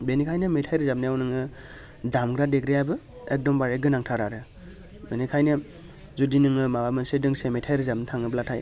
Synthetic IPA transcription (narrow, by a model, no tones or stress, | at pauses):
benikʰajnɯmejtʰajɾɯzabnijawnɯŋɯ | damɡɾadekɾijabɯ | ek̚dɔmbaɾeɡɯnaŋtʰaɾaɾɯ | benikʰajnɯ | zudinɯŋɯmabamɯnsedɯŋsemejtʰajɾɯzabnitʰaŋɯblatʰaj